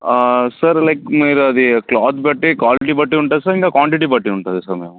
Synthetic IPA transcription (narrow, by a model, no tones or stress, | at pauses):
sɐɾlɐɪkmeːɾɐd̪iklɔːd̪bɐʈːikʋaːlɪʈibɐʈːiʊɳʈ̪aːd̪esɐɾiŋkakʋaːɳʈiʈibɐʈːiʊɳʈ̪ad̪esɐɾmeːʋũ